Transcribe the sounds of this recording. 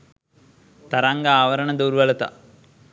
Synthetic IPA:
t̪ɐɾaːŋɡɐaːʋɐɾɐɳɐd̪oːɾʋɐlɐt̪ɐ̰

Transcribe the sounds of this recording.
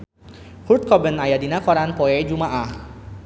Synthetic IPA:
hurt̪̚kɔbənajadinakɔɾanpɔɛd͡ʒumaʔah

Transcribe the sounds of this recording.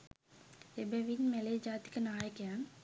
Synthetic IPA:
ebeʋinmeled͡ʒaːt̪i̥kənaːjəkejaːn

